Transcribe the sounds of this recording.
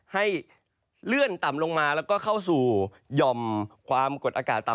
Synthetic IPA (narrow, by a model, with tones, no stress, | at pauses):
ha˥˩j | lɯ˥˩ənt̪a˨˩mlo˧ŋmaː˧lɛː˦˥wkɔː˥˩kʰa˥˩wsuː˨˩ | jɔ˧mkʰwaː˧mko˨˩t̪̚ʔaː˧kaː˨˩t̪ːa˨˩